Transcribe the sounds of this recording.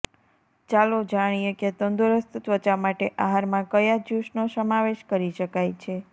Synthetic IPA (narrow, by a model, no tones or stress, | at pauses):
t͡ʃalod͡ʒaɽ̃ijeket̪ənd̪uɾəst̪t̪ʋət͡ʃamaʈeʔaɦaɾmãkəjad͡ʒuʃnosəmaʋeʃkəɾiʃəkajt͡ʃʰe